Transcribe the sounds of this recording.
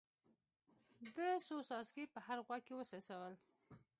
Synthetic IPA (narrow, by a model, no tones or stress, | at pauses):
d̪əsosɑskepəhaɾɣwaɡ̚kːewəsɑsawəl